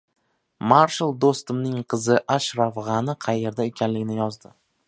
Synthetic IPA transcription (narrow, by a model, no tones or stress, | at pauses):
maɾʃalˠd̪ost̪ɪmnɪŋqʰɨzɪʔaʃɾafʁɑnɪqʰɑje̞ɾd̪aekʲʰanlɪɡʲɪnɪjɒzd̪ɪ